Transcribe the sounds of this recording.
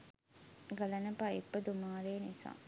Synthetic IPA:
ɡɐlɐnɐpaːipːɐd̪umaːɾeːnisa̰ː

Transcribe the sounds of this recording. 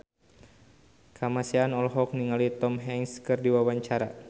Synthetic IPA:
kʰamasianɔlɦɔk̚niŋalit̪ɔmɦɛŋskɨrdiwawaɲt͡ʃaɾa

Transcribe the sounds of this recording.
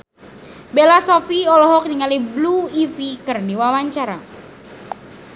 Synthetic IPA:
belasɔfiɔlɔɦɔk̚niŋalibluifikɨrdiwawaɲt͡ʃaɾa

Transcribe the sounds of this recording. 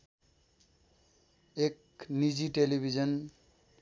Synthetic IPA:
ek | nid͡ziʈelibʱizʌn

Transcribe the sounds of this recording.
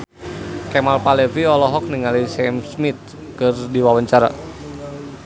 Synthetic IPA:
kɛmalpalɛviɔlɔɦɔk̚niŋalisɛmsmit̪̚ | kɨrdiwawaɲt͡ʃaɾa̰

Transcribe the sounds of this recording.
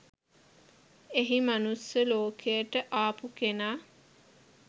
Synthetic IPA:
eɦimanusjəloːkʰejəʈəʔaːpukenaː

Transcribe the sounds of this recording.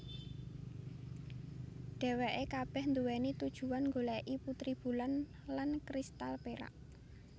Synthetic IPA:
ɖ̪̥ɛ̤weʔekab̥ɛhnd̪uwɛnit̪ud̥ʒ̥ṳwanŋɡolɛʔiput̪ɾib̥ṳlan | lankɾist̪alpeɾa̰ʔ

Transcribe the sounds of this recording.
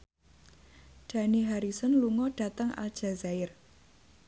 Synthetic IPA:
ɖ̥a̤niɦaɾisɔnluŋɔɖ̥a̤t̪əŋʔa̰ld̥ʒ̥a̤zaɪr

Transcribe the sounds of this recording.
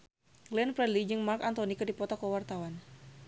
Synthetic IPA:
ɡlɛnpɾɛdlid͡ʒɨŋmarkant̪ɔnikɨrdipɔt̪ɔkɔwart̪awan

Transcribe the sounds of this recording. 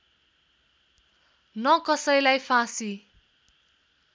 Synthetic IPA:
nʌkʌsʌjlajpʰãsi

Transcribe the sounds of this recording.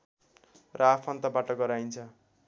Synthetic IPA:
rʔʌapʰʌnt̪abaʈʌɡʌɾajnt͡sʰʌ

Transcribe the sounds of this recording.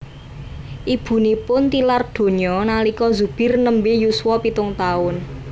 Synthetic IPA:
ʔib̥ṳnipʊnt̪ilard̪̥o̤ɲɔnalikɔzṳb̥ɪ̤rnəmbejuswɔpit̪ʊŋt̪aʊn

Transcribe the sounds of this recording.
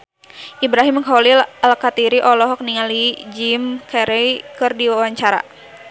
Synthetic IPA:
ʔibɾaɦiməŋkɔwlilalkat̪iɾiʔɔlɔɦɔk̚niŋalid͡ʒimkɛɾɛjkɨrdiwawaɲt͡ʃaɾa̰

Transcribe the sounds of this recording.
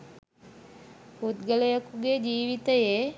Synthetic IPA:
hud̪ɡəlejəkuɡed͡ʒiːʋit̪əje

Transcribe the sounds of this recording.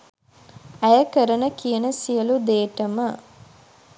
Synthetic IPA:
æjəkəɾənəkijənəsijəlud̪eːʈəmə

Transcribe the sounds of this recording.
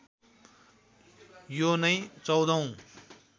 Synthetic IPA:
jonʌjt͡sʌwd̪ʌw̃

